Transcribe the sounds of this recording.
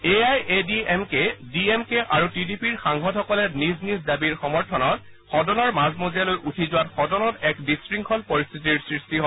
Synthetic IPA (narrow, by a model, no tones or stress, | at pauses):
eajʔediemkediemkeʔaɹutidipiɹxaŋɦɔthɔkɔlɛniznizdabiɹxɔmɔɹtʰɔnɔt | xɔdɔnɔɹmazmozijalojʔutʰizʊwatxɔdɔnɔtɛkdistɹiŋkʰɔlpɔɹist̪ʰitiɹsɹistiɦɔ